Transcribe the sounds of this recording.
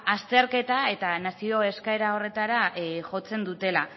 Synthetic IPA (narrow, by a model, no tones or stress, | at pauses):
ast̪e̞ɾke̞t̪ae̞t̪anasio̞e̞skaeɾao̞re̞t̪aɾaʝo̞t͡se̞nd̪ut̪e̞la